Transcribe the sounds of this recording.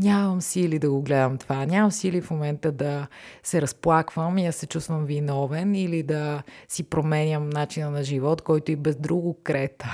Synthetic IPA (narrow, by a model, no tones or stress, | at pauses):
nʲaməmsilid̪ɐɡoɡlɛd̪əmt̪vanʲamɐmsilifmomɛnt̪əd̪ɐsɛɾɐsplˠakvəmiɐsɛt͡ʃust̪vəmvinɔvɛnilid̪ɐsipɾomɛnʲəmnat͡ʃinənɐʒivɔt̪kɔjt̪oibɛzd̪ɾuɡʊkɾɛt̪ə